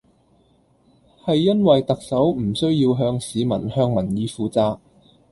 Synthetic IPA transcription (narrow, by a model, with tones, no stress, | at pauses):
hɐ˨jːɐ˥nwɐ˨jt̪ɐ˨k̚sɐ˨˥wm̩˨˩sɵ˥ɥjiː˧wɦœː˧ŋsiː˨˧mɐ̰˨˩nhœː˧ŋmɐ˨˩njiː˨˧fuː˨˧t͡saː˨k̚